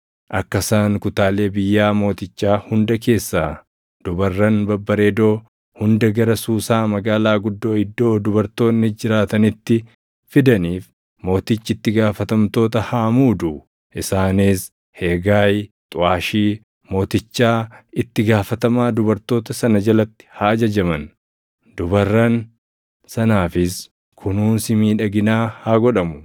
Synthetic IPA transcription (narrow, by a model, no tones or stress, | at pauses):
ʔɐkːɐsaːŋkʊt̪aːle̞ːbɪjːaːmo̞ːt̪ɪt͡ʃːaːhʊnd̪ɐke̞ːsːaː | d̪̥ʊbɐrːɐnbɐbːɐɾeːd̪o̞ː | hʊnd̪ɐɡɐɾɐsuːsaːmɐɡaːlaːɡʊd̪ːo̞ːɪd̪ːo̞ːd̪ʊbɐɾt̪o̞ːnːɪd͡ʒɪɾaːt̪ɐnɪt̪ːɪ | fɪd̪ɐniːf | mo̞ːt̪ɪt͡ʃːɪɪt̪ːɪɡaːfɐt̪ɐmt̪o̞ːt̪ɐhaːmuːd̪ʊ | ʔɪsaːniːs | he̞ːɡaːjt̪ʼʊaːʃiː | mo̞ːt̪ɪt͡ʃːaːɪt̪ːɪɡaːfɐt̪ɐmaːd̪ʊbɐɾt̪o̞ːt̪ɐsɐnɐd͡ʒɐlɐt̪ːɪ̥haːd͡ʒɐd͡ʒɐmɐn | d̪̥ʊbɐrːɐn | sɐnaːfɪs | kʰʊnuːnsɪmiːᶑɐɡɪnaːhaɡɔᶑɐmʊ